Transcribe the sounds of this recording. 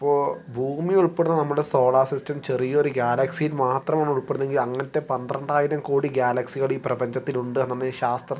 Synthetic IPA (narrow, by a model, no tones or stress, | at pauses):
ɐpːo̞ːbʱuːmijuɭpeɽunːɐnɐmːuɽe̞so̞ːɭaːsistɐmt͡ɕe̞rijɐoɾuɡʲjaːlɐksijilmaːt̪rɐmaːɳuɭpeɽnːe̞ŋɡilɐŋːɐnet̪ːe̞pɐnd̪rɐɳɖaːjiɾɐmkoːɽiɡjaːlɐksiɣɐɭiːprɐbɐɲd͡ʑɐt̪ːiluɳɖɨenːɐnːeɕaːst̪rɐ